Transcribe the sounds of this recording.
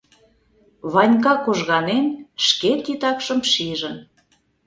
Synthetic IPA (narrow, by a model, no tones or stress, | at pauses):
βɑnʲkɑkoʒɣɑnenʃket̪it̪ɑkʃəmʃiʒə̆n